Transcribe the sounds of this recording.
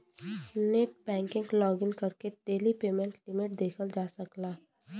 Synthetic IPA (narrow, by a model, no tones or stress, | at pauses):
neʈ̚bɛ̃ːŋkɪ̃ŋɡlɔːɡɪŋkɐɾkeɖeːlipeːmɛ̃ɳʈlɪmɪʈ̚d̪eːkʰəld͡ʒaːsəklaː